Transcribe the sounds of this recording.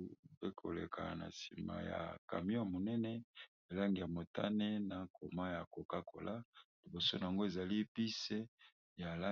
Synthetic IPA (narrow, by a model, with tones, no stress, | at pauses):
pe˦kʰo̰˨lḛ˨kʰa̰˨na̰˨si˨ma̰˨ja̰˨ka̰˨mi˦o˦˨mo˨nɛ˦nɛ˦ | e˨la˦ŋɡi˨ja˨mo˨ta˦ne˦na˨kʰo˨ma˦ja˨ko˨ka˦kʰo̰˨lʔa˦li˨bo˨so˦n˨a˨ŋɡo˦e˨za˨li˦pi˦se˦ | ja˨la˦